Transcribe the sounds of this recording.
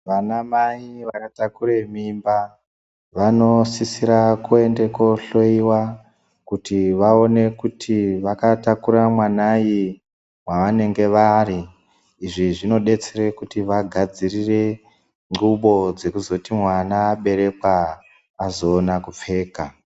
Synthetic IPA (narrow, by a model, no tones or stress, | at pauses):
ʋanamaiʋakatakuɾe̞mimba | ʋano̞sisiɾakue̞nde̞ko̞ɬo̞iwa | kutiʋao̞ne̞kutʰiʋakatakuɾamwanaji | waʋane̞ŋɡe̞ʋariː | ʐiʐino̞ɗe̞t͡sere̞kutiʋaɡʱad͡zirire̞ | ŋɡuɓo̞d͡ze̞kuzo̞timwanaːɓe̞ɾe̞kwaː | zo̞ːnakup͡fe̞ːka